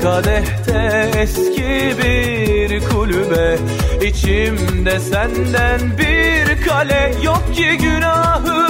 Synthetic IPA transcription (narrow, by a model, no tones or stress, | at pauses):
kʰalɛht̪ʰɛɛscʰi | bi | ɾkʰulʲybɛ | it͡ʃʰimd̪ɛsænd̪ænbiɾkʰalɛjok̚cʰiɟynaːɦɯ